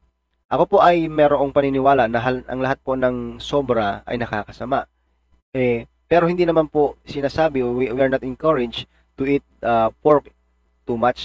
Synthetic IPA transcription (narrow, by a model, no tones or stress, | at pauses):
ʔɐko̞po̞ʔɐjmɛːɾoʔoŋpɐnɪnɪwaːlaʔnɐɦalʔɐ̰ŋlɐɦat̪̚po̞nɐŋso̞bɾɐɐ̰jnɐkaːkɐsɐmaʔ | ʔɛ | pɛːɾohɪnd̪iːnɐmanpo̞sɪnaːsaːbɪwiwiɐɹnɐt̪ɪnkɐɹɪd͡ʒ | t̪ʊʔit̪̚ɐpoɹk | t̪umat͡ʃ